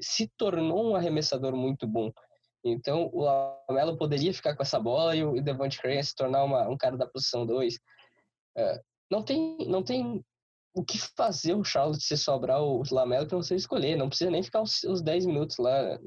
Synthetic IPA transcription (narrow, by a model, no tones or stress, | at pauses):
sɪt̪oɾnowũaɦemesad̪oɾmũj̃t̪ʊbõ | ẽnt̪ɐ̃w̃ʊlamɛlʊpod̪eɾiɐfi̥kakõɛsɐbɔlɐɪʊd̪evɐ̃t͡ʃɪ̥kɾẽjɐsɪ̥t̪oɾnaũmɐũkaɾɐd̪ɐpozisɐ̃w̃d̪ojs | ɛ̰ | nɐ̃w̃t̪ẽj̃nɐ̃w̃t̪ẽj̃ | ʊkɪfazeɾʊʃaɾlʊt̪sɪsobɾaʊːlamɛlʊkɪnɐ̃w̃sevɪskoʎenɐ̃w̃pɾɪsizɐnẽj̃fi̥kaɾʊsʊ̃zd̪ɛjzmĩnut̪ʊ̥zla̰